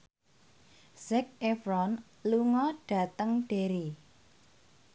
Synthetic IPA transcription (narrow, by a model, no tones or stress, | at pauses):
sɛk̚efɾɔn | luŋɔɖ̥ä̤t̪əŋɖ̥e̤ɾi